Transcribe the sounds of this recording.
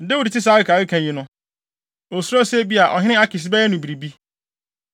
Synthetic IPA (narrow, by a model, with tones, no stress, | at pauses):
dɛ˦u˨di˨tɪ˦s̬aː˦ɪ˦kʰaː˨ɾɪ˦kʰã˨je˨nʊ̃˦ | o˨su˦ɾɔ˦se˦bi˦a˨ʔɔ̰˨ɦɪ˦nɪ̃˦a˦kɪ˨s̬ɪ˦bɛ˦ɛ˦nʊ̃˨bi˨ɾi˨bi˦